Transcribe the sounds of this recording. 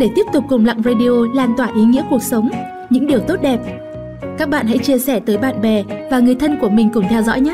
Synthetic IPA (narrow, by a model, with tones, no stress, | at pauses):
ɗe˧˩t̪i˦˥əp̚t̪ʊ˨˩k͡p̚ːʊ˨˩ŋ͡mla̰˧˨ŋzaː˧ɗi˧ʔo˧laː˧˩nt̪waː˧˩ʔi˨˦ŋḭ˧˥əku˨˩ək̚sə˨˦wŋ͡m | ɲɨ̰˧˥ŋɗi˨˩əwt̪o˦˥t̚ɗɛ˨˩p̚ | kaː˦˥k̚ɓa̰ː˧˨nɦa̰˧˥jt͡ɕi˧əsɛ˧˩t̪əː˨˦jɓa̰ː˧˨nɓɛ˨˩vaː˨˩ŋɨ˨˩əjt̪ʰə˧nku˧˩əmï˨˩ŋ̟kʊ˧˩ŋ͡mt̪ʰɛ˧wzɔ̰˧˥jɲa˦˥